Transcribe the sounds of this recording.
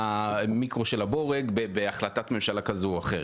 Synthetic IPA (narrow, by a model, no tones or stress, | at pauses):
amikʁoʃelabo̞ʁeɡbebeaχlatatme̞mʃalakazuaχe